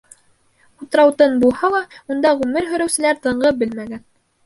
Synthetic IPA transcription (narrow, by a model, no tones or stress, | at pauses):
ut̪ɾɑwt̪ɤnbulˠhɑlˠɑund̪ɑʁʉmɘɾɦɵ̆ɾæ̆wsɘ̆læɾt̪ɤ̆ɴɢɤpbɘlmæɡæn